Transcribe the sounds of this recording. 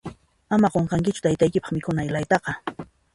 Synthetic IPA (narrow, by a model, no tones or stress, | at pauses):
amaɢoɴqɑŋkɪt͡ʃʊ̥t̪ajt̪ajkɪpɑ̥χmɪkʊnajlajt̪ɑqɑ